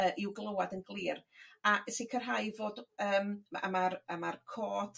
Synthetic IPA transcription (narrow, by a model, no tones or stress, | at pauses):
əːʔɪwɡlˠəwadənɡlˠiːrasikʰərɦajvoːdəːma̰maramarkʰɔːd̥